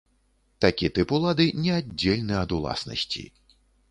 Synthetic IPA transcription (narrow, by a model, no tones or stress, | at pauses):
t̪akʲit̪ɨpulˠad̪ɨnʲɛadʲːelʲnɨɐd̪ulˠa̰snɐ̰sʲt͡sʲḭ